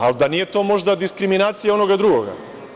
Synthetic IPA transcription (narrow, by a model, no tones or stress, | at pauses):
ald̪anijet̪o̞mo̞ʒd̪ad̪iskɾiminaːt̪sijaonoɡad̪ɾuɡoɡa̰